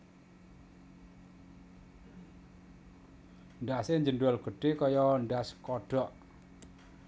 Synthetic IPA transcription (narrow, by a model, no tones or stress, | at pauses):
nɖaseɲd͡ʒənɖualɡ̥ə̤ɖ̥ekɔjɔndaskɔɖ̥ɔʔ